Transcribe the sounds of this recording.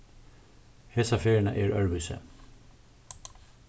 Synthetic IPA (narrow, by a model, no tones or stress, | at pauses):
hesafeːɹɪna̰ʔɛɹœɹʋʏsə̰